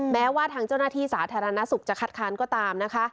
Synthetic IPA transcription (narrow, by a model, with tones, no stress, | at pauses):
mɛː˦˥waː˥˩t̪ʰaː˧˥ŋt͡ɕa˥˩wnaː˥˩t̪ʰiː˥˩saː˩˦t̪ʰaː˧ɾa˧na˦˥su˨˩k̚t͡ɕa˨˩kʰa˨˩t̪̚kʰaː˦˥nkɔː˥˩t̪aː˧mna˦˥kʰa˦˥